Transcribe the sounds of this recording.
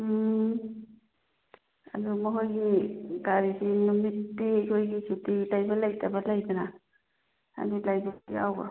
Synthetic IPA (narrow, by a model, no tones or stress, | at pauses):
a̰dumɔɦojɡiɡaɾisinumitːikʰojɡisititajbalajtʰabalajdana | a̰dilajɡaiawba̰